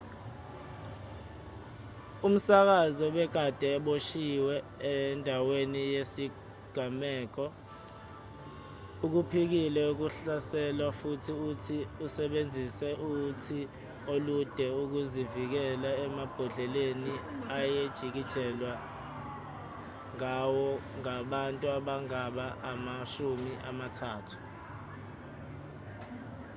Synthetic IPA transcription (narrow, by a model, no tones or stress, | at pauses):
um̩sak̬azɔɓɛɡ̥ʱad̥ʱɛːɓoʃiwɛ | ɛndʱawenijesi | ɡ̥ʱamɛːk̬ɔ | uk̬upʰik̬ilɛuk̬uɬasɛlwafutʰiutʰiusɛɓend͡zʱisɛʔutʰi | olud̥ʱɛuk̬uzivik̬ɛlaɛmab̥ʱɔɮɛleniajed̥ʒ̥ʱik̬id̥ʒ̥ʱɛlwa | ŋawɔŋaɓantʼuaɓaŋaɓaʔamaʃumiʔa̰matʰaːtʰu̥